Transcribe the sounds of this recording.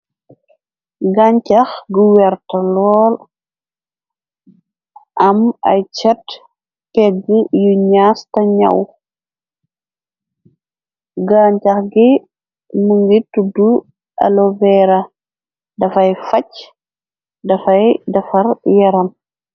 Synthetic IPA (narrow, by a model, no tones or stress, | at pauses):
ɡaɲcɐxɡuwɛɾtɐlɔːl | ʔɐmɐ̰jt͡ʃɐt | pɛɡujuɲastɐɲa̰w | ɡaːɲcɐxɡi | muŋɡitudu | ʔɐ̰lɔvɛɾɐ | dɐfɐjfɐc | dɐfɐjdɐfɐɾjɛɾɐn